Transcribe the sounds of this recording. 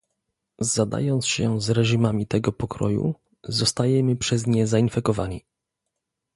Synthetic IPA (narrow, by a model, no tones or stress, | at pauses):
zad̪a̰jɔnt̪sɕɛzɾɛʐimamʲit̪ɛɡɔpɔkɾɔjṵ | zɔst̪ajɛmɘpʂɛzɲɛzainfɛkɔvaɲi